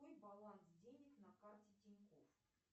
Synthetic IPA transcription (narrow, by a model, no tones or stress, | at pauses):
ojbɐlˠansdʲenʲɪknɐkartʲɪtʲɪnʲko̰f